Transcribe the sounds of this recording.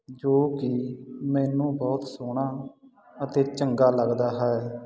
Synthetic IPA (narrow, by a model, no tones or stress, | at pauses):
d͡ʒoːkɪmɛːnũːbɔːt̪soːɽaː | ət̪eːt͡ʃəŋɡaːləɡd̪aːɦɛɛ